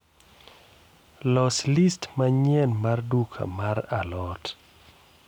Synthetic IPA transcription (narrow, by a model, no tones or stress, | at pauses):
lɔslistmaɲɛnmardukʰa̰maɾalɔt